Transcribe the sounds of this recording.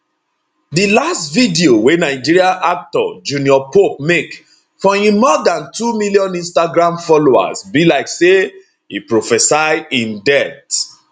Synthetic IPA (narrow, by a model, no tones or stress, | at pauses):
dilastvidiowenaɪd͡ʒiɹiãʔak̚tɔ̰d͡ʒuniɔpop̚mek | fɔ̃hĩmɔdãntumiliɔ̃nĩnstaɡɹãmfɔloa̰sbilaɪkse | ḭpɹofɛsaɪĩndɛt